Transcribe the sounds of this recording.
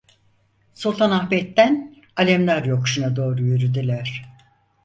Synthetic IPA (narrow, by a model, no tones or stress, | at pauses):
sulˠt̪ʰanaxbɛt̪ːæn | alʲɛmlʲæɾjo̞kʃunad̪o̞ːɾujyɾyd̪ilʲæɾ̥